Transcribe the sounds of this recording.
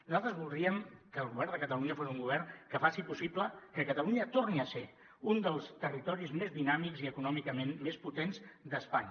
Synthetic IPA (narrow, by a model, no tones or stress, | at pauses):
nuzalˠt̪ɾəzβulˠd̪ɾiəmkəːlˠɣuβ̞ɛɾnd̪əkət̪əluɲəfosiuŋɡuβɛrnkəfasipusipləkəkət̪əluɲət̪orniəse | und̪əlˠst̪ərit̪ɔɾizmezðinamikziəkunɔmikəmenmesput̪enzd̪əspaɲə